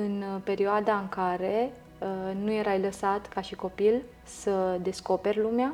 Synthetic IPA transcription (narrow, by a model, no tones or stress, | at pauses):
ɨnpe̞ɾioad̪aɨŋkaɾe̞ | ənuje̞ɾajləsat̪kaʃiko̞pil | səd̪e̞sko̞pe̞rʲlumea